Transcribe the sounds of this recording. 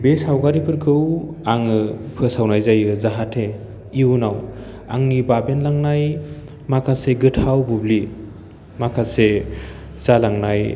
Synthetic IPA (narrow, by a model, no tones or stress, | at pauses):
besawɡaɾipʰɯɾkʰɯwaŋɯpʰɯsawnajzajɯzaɦatʰe | iunaw | a̰ŋnibabenlaŋnaj | makʰaseɡɯtʰawbubli | makʰase | zalaŋnaj